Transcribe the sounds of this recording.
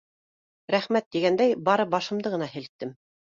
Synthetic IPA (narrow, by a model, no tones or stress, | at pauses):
ɾæχmæt̪ːiɡænd̪æjbɑɾɤbɑʃɤ̆md̪ɤʁɤ̆nɑhɘ̆lt̪ːɘm